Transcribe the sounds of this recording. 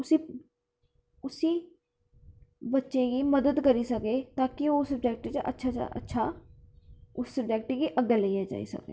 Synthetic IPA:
ʊsiː | ʊsiː | bətːʃẽːɡiːməd̪əd̪kəɾiːsəkeːt̪ãːkɪoːsəb̚d͡ʒɛːk̚ʈit͡ʃə̰tːʃʰa̰ə̰tːʃʰaː | ʊssəbd͡ʒɛːk̚ʈiɡiːʔəɡːələiaːd͡ʒa̰ːḭːsə̰kḛː

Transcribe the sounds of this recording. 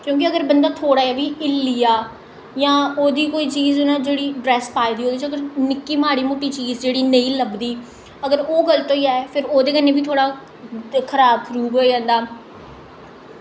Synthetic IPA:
kjõːk̬ɪəɡəɾbənd̪aːt̪ʰoːɽaːjaːbiːʔɪlːijaː | jãːoːd̪iːkoːiːt͡ʃiːzʊnãːd͡ʒeːɽiːɖɾɛːspaːiːd̪iːɦoːd̪iːt͡ʃəɡəɾnɪkːiːmaːɽiːmoːʈiːt͡ʃiːzd͡ʒeːɽiːnə̃ĩːləbd̪iː | əɡəɾoːɡəlt̪õːiːaːepʰɪɾoːd̪eːkəneːbiːt̪ʰoːɽaː | kʰəɾaːb̚kʰɾuːɡoːid͡ʒãːnd̪aː

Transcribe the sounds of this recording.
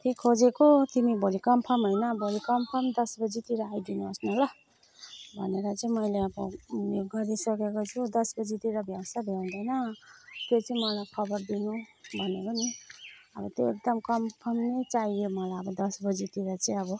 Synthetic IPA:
t̪ʰikkʰːod͡zekot̪imibʱolikʌmpʰʌmɦojnʌbʱolikʌmpʰʌmd̪ʌsbʌd͡zit̪iɾaajd̪inuʌsnula | bʱʌ̰neɾʌt͡sʌĩmʌjleʌbʌ̰joɡʌɾisʌkekot͡sʰud̪ʌsbʌd͡zit̪iɾʌbʱjawsabʱãd̪ʌjnʌt̪jot͡sʌĩmʌlajkʰʌbʌrd̪inubʱʌnekoniʌ̰bʌt̪joek̚d̪ʌmkʌmpʰʌmnet͡sajjomʌlajʌbʌd̪ʌsbʌd͡zit̪iɾʌt͡sʌĩʌbʌ

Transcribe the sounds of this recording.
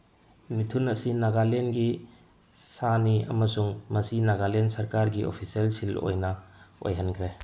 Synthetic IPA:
mitʰunɐsinaɡalenɡi | saniɐ̰mɐsuŋmɐsinaɡalensɐɾkaɾɡio̰pʰiselsilo̰jnɐo̰jɦɐnkʰɾe

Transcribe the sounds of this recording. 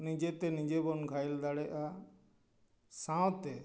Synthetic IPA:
nĩd͡ʒet̪enĩd͡ʒebɔnɡʱajld̪aɽɛʔa | sãwt̪e

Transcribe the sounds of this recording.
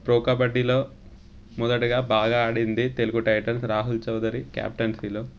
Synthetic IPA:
pɾoːkɐbɐɖːilo̞ː | mɔd̪ɐʈuɡaːbaːɡaːɐɽind̪it̪e̞luɡuʈɐjʈɐlsɾaːɦult͡ʃɐwd̪ɐɾikja̰ːp̚ʈɐnsiːlo

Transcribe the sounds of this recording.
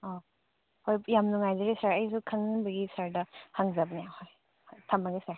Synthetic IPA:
ɔ | hojjamnuŋajzɐɾisaɾɐjsukʰaŋbɐɡisaɾdɐhʰaŋzɐbnijahoj | htʰambaɡisaɾ

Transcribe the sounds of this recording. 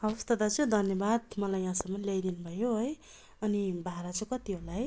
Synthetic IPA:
ʌust̪ʌd̪at͡sʌj̃d̪ʱʌnjʌbad̪mʌlajːãsʌmːʌnlejd̪inubʱʌjoɦoj | ʌnibʱaɾat͡sʌ̃kʌt̪iɦolaɦj

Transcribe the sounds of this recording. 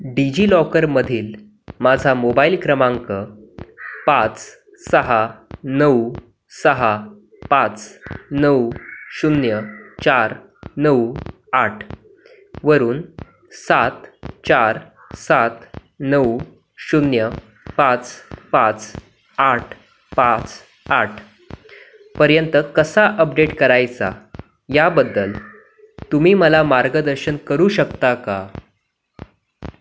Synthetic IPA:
ɖid͡ʑiːlɔkəɾməd̪ʱiːl | mad͡zʱamobailkɾəmãŋkə | pãt͡s | səɦanəw | səɦa | pãt͡snəwɕunjət͡ɕaɾ | nəw | aʈʰ | ʋəɾuːn | sat̪t͡ɕaɾ | sat̪ | nəw | ɕunjə | pãt͡spãt͡s | aʈʰ | pãt͡s | aʈʰ | pəɾjənt̪əkəsaʔəp̚ɖeʈkəɾajt͡sa̰ | jabəd̪ːəl | t̪umiːməlamaɾɡəd̪əɾɕənkəɾuːɕəkt̪aka

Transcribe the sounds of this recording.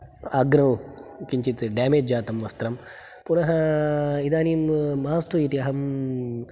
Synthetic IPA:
aːɡɾɐwkiɲt͡ʃit͡s̪ɖjaːmed͡ʒd͡ʒaːt̪ɐmʋɐst̪ɾɐm | punɐɦɐid̪aːniːmːaaːst̪ujit̪iɐɦɐm

